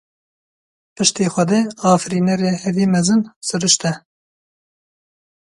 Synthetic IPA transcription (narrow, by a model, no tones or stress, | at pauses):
pɨʃt̪eːxʷɛd̪eːɑːfɾiːnɛɾeːhɛviːmɛzɨnsɨɾɨʃt̪ɛ